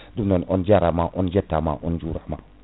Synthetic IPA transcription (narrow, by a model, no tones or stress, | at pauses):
dumnoond͡ʒaɾamaʔɔnd͡ʒetama̰ʔond͡ʒuɾama̰